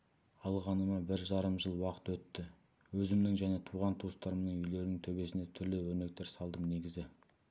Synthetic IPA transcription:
ɑlˠʁɑnəmɑbɪɾʒɑɾəmʒəlˠwɑqə̥t̪wɵt̪ːɪ | wɵzɪmnɪŋʒæne̞t̪ʰuʁɑnt̪ʰost̪ɑɾəmnəɴʏjle̞ɾɪnɪŋt̪ʰɵbe̞sɪne̞t̪ʰʏɾlɪwɵɾne̞k̚t̪e̞ɾsɑlˠd̪əmne̞ɡʲɪzɪ

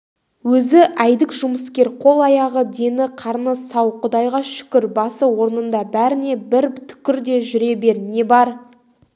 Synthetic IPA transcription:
wɵzɪʔæjd̪ɪkʒʊməskʲe̞ɾqʰo̞lˠɑjɑʁəd̪e̞nɪqʰɑɾnəsɑwqʰʊd̪ɑjʁɑʃʏ̥kʲɪɾbɑsəwo̞ɾnənd̪ɑbæɾɪne̞bɪɾt̪ʰʏ̥kʲɪɾd̪e̞ʒʏɾe̞be̞ɾne̞bɑɾ

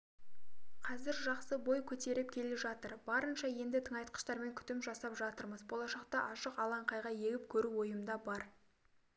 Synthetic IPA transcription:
qʰɑzɪɾʒɑqsəbo̞jkʲʰɵt̪e̞ɾɪp̚kʲʰe̞leʒɑt̪əɾbɑɾənʃɑje̞nd̪ɪt̪ʰəɴɑjt̪̚qə̥ʃt̪ɑɾme̞ŋkʲʰʏ̥t̪ɪmʒɑsɑpʒɑt̪əɾməzbo̞lˠɑʃɑqt̪ɑʔɑʃəqɑlˠɑɴqɑjʁɑje̞ɡʲɪp̚kʲʰɵɾuwo̞jəmd̪ɑbɑɾ

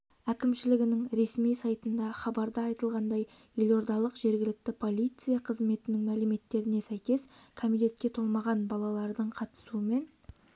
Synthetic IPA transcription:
ækʲɪmʃɪlɪɡʲɪnɪŋɾe̞smijsɑjt̪ənd̪ɑχɑbɑɾd̪əɑjt̪əlˠʁɑnd̪ɑjje̞lo̞ɾd̪ɑlˠəqʒe̞ɾɡʲɪlɪk̚t̪ɪpʰo̞lʲˠijt̪sɨjɑqʰəzme̞t̪ɪnɪŋmælɪme̞t̪ːe̞ɾɪne̞sæjkʲe̞skʰomijt̪e̞t̪̚kʲe̞t̪ʰo̞lˠmɑʁɑnbɑlˠɑlˠɑɾd̪əɴqʰɑt̪ə̥suəme̞n

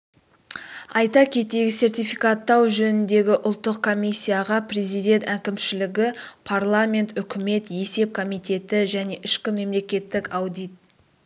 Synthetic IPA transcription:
ɑjt̪ɑkʲʰe̞t̪e̞ɡʲɪse̞rt̪ʲijfikat̪ːɑwʒɵnɪnd̪e̞ɡʲɪʔʊlˠt̪ːəqkʰo̞mʲisʲːijaʁɑpre̞zijd̪e̞nt̪ækʲɪmʃɪlɪɡʲɪpʰarlˠamʲe̞nt̪ʏkʲɪme̞t̪je̞se̞p̚kʰo̞mijt̪e̞t̪ɪʒæne̞ʔɪʃkʲɪme̞mle̞kʲe̞t̪ːɪkɑwd̪ijt̪̚

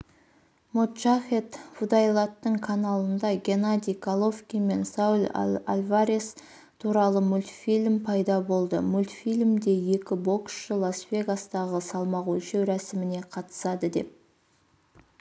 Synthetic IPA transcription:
mut̪ʒaχʲet̪fud̪ɑjlˠat̪ːəɴkʰanalˠənd̪ɑɡʲe̞nad̪ʲijkʰalˠo̞fskʲijme̞nsawlʲa̰lʲvaɾʲes | t̪ʰuɾɑlˠəmʊlʲt̪fʲilʲmpʰɑjd̪ɑbo̞lˠd̪əmʊlʲt̪ʲfʲilʲmd̪e̞je̞kʲɪbo̞ksʃəlˠasvʲe̞ɡast̪ɑʁəsɑlˠmɑʁwulʃewɾæsɪmɪne̞qʰɑt̪ə̥sɑd̪əd̪e̞̰p̚

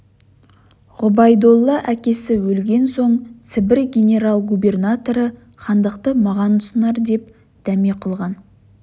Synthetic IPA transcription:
ʁʊbɑjd̪o̞lˠːɑʔækʲe̞sɪwɵlɡʲe̞nso̞ɴt̪sɪbɪɾɡʲenʲe̞ɾalˠɡube̞rnat̪o̞ɾə | χɑnd̪əqt̪əmɑʁɑnʊsənɑɾd̪e̞p | d̪̥æmeqʰəlˠʁɑn

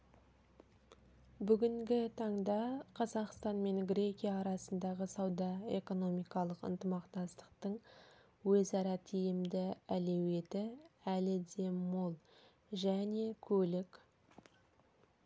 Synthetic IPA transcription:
bʏɡʲɪŋɡʲɪt̪ʰɑɴd̪ɑqʰɑzɑqst̪ɑnme̞ŋɡɾʲe̞kʲijɑːɾɑsənd̪ɑʁəsɑwd̪ɑe̞ko̞no̞mijkɑlˠəqə̰nt̪əmɑqt̪ɑst̪ə̥qt̪əɴ | wɵzɑɾɑt̪ʰijɪmd̪ɪæle̞we̞t̪ɪælɪd̪e̞molˠ | ʒæne̞kʲʰɵlɪkʲ

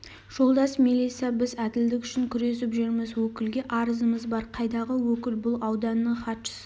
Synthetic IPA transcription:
ʒ̥o̞lˠd̪ɑsmilijt̪sijɑbɪzæd̪ɪld̪ɪkʲʏʃɪŋkʲʰʏɾe̞sɪpʒɪɾmɪzwɵkʲɪlɡʲe̞ʔɑɾəzəməzbɑɾqʰɑjd̪ɑʁəwɵkʲɪlbʊlˠɑwd̪ɑnːəɴχɑt̪ʃə̥sə

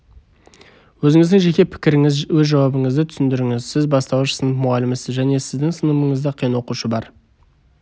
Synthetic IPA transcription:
wɵzɪŋɪzd̪ɪŋʒe̞kʲe̞pʰɪ̥kʲɪɾɪŋɪzwɵzʒɑwɑbəɴəzd̪ɪt̪ʰʏ̥sɪnd̪ɪɾɪŋɪzsɪzbɑst̪ɑwəʃəsənəp̚mʊʁɑlɪmɪsɪzʒæne̞sɪzd̪ɪŋsənəməɴəzd̪ɑqʰijənwo̞quʃəbɑɾ

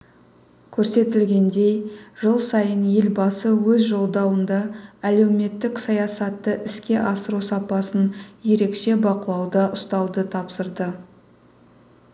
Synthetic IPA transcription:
kʲʰɵɾse̞t̪ɪlɡʲe̞nd̪e̞jʒəlˠsɑjənje̞lbɑsəwɵzʒo̞lˠd̪ɑwənd̪ɑæle̞wme̞t̪ːɪksɑjɑsɑt̪ːəʔɪskʲe̞ʔɑsəɾusɑpɑsənje̞ɾe̞kʃe̞bɑqəlˠɑwd̪ɑʔʊst̪ɑwd̪ət̪ʰɑpsəɾd̪ə

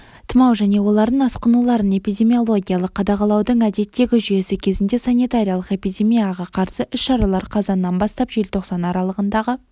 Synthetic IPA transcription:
t̪ʰəmɑwʒæne̞wo̞lˠɑɾd̪əɴɑsqənulˠɑɾəne̞pijd̪ʲe̞mijo̞lˠo̞ɡʲijaɑlˠəqʰːɑd̪ɑqɑlˠɑwd̪əɴæd̪e̞t̪ːe̞ɡʲɪʒʏje̞sɪkʲʰe̞zɪnd̪e̞sɑnijt̪aɾʲijɑlˠəqe̞pijd̪ʲe̞mijaʁɑqʰɑɾsəʔʏʃʃɑɾɑlˠɑɾqʰɑzɑnːɑnbɑst̪ɑpʒe̞lt̪ʰo̞qsɑnɑɾɑlˠəʁənd̪ɑʁə

